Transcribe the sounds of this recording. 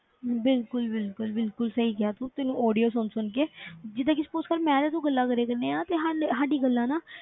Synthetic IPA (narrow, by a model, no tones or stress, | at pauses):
bɪlkʊlbɪlkʊlbɪlkʊlsəɦiːkɪaːt̪ũːt̪ɪnũːʔɔːɖijoːs̬ʊnsʊnk̬eːd͡ʒɪd̪ãːkɪspoːskəɾmɛ̃ːd̪aːt̪̬ũːɡəlːaːkəɾeːkəɾneːaːnãːt̪eːɦaɦaːɖiːɡəlːãːnaː